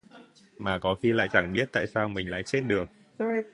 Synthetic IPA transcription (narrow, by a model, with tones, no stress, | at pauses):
maː˨˩kɔ˨˦xi˧la̰ː˧˨jt͡ɕa˧˩ŋɓi˦˥ət̚t̪a̰ː˧˨jsaː˧wmï˨˩ŋ̟la̰ː˧˨jse˦˥t̚ɗɨ˨˩əŋ